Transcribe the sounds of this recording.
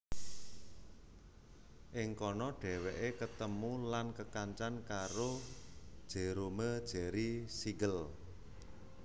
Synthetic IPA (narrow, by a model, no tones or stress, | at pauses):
ʔɪŋkɔnɔɖ̥ɛ̤weʔekət̪əmulankəkaɲt͡ʃankaɾo | d̥ʒ̥e̤ɾoməd̥ʒ̥ɛ̤ɾisiɡəl